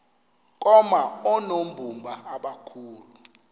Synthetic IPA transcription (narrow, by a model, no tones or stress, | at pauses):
k̬ʼɔmaɔnombʱumbʱaaɓakʰuːlu